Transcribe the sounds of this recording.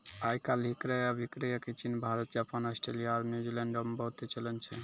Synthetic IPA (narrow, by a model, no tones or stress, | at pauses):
ajkalɦikɾajabʱikɾajakit͡ɕinbʱaɾot̪d͡ʑapanɔsʈɾelijaːɾniud͡ʑilɛɳɖɔmbɔt̪et͡ɕɔlent͡ɕʰe